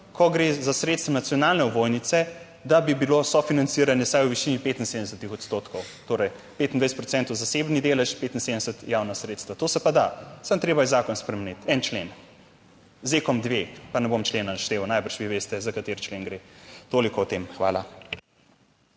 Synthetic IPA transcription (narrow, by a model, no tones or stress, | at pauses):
kʰɔɡɾezasɾet̪st̪ʋanat̪sjɔnalnɛɔbojnit̪sɛ | d̪abibilosɔfinant̪siɾanjɛsajwʋiʃiːnipeːt̪in̩sed̪əɛsət̪ixɔt̪st̪ot̪kʰɔwt̪oːɾɐj | peːt̪ind̪ʋajsɛt̪pɾɔt̪sɛnt̪owzasebnid̪eːlɛʃpeːt̪insed̪ɛsət̪jawnasɾeːt̪st̪ʋat̪oːsɛpad̪asamt̪ɾeːbajɛzaːkɔnspɾɛmɛnit̪ʰɛnt͡ʃlen | zeːkɔmd̪ʋepanɛbomt͡ʃleːnanaʃt̪eːʋɔnajbəɾʃʋiʋeːst̪ɛzakat̪eːɾt͡ʃlenɡɾet̪oːlikɔɔt̪emxʋa̰ːla